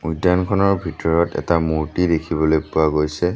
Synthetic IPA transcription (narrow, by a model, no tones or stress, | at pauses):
ujdankʰɔnɔɹbʱitɔɹɔtɛ̰tamuɹtidekʰibɔlojpʊaɡojsɛ